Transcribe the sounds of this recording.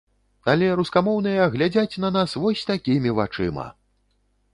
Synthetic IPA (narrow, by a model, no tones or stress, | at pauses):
alʲɛɾuskamɔwnɨjɐɣlʲad͡zʲat͡sʲnɐnasvɔsʲt̪akʲimʲivat͡ʂɨ̰mɐ̰